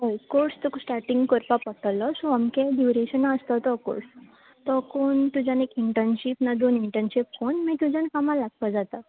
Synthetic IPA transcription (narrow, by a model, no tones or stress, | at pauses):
ɦəjkoɾst̪uksʈaɾʈiŋɡkɔɾpapəʈəlɔsuamkeɖjuɾeɕənaəst̪ɔt̪ɔko̰ɽs | t̪ɔkont̪ud͡ʑãnekiɳʈənɕipnad̪oniɳʈənɕip̚konmit̪ud͡ʑankamalaɡpəd͡zat̪ə